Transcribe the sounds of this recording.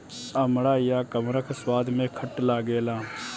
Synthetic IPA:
əmɽaːjaːkəmɾəkʰswaːd̪mẽːkʰəʈlaːɡeːlaː

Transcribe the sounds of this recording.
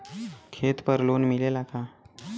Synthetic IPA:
kʰet̪pəɾlonmilelakʰa

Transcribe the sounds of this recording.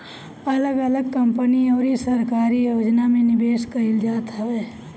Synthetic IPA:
ɐləɡələɡ̚kəmpəniɔːɾisəɾkaːɾijoːd͡ʒnamẽnɪbeːskəɾɪld͡ʒaːt̪ɦɛʋeː

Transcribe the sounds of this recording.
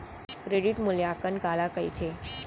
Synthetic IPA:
kɾeɖiʈmuleakəɳkalakəit̪ʰe

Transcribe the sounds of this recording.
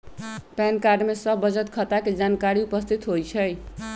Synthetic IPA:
pɛnkaɾɖmesəbːəd͡ʒət̪kʰət̪aked͡ʒankaɾiupəst̪ʰit̪ɦojt͡ʃʰəj

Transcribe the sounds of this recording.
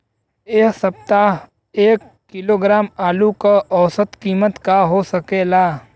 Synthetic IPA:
eksɐp̚t̪aɦ | eːkːɪloːɡɾaːmaːlukaʔɔːsət̪kiːmət̪kaɦosəkeːlaː

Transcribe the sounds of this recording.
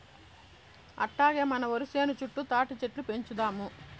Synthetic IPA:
ɐ̰ʈːaːɡeːmɐnɐʋɐɾuseːnut͡ʃuʈːut̪aːʈit͡ʃeʈlupe̞ɲt͡ʃud̪aːmu

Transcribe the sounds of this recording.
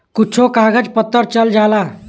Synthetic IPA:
kut͡ʃʰokaɡəd͡ʒpət̪ːəɾt͡ʃəld͡ʒala

